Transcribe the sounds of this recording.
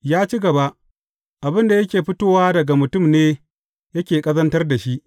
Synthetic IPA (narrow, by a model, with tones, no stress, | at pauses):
jaː˦t͡ʃi˦ɡɐ˨ba˦ʔ | ʔa˨bɪ˦nda˨jɐ˦kʲeː˨ɸɪ˦toː˦waː˦dɐ˨ɡa˨mʊ˨tʊ˦˨mneː˦ | jɐ˦kʲeː˨kʼɐ˦zɐ˦ntɐ˦rda˨ʃi˦ʔ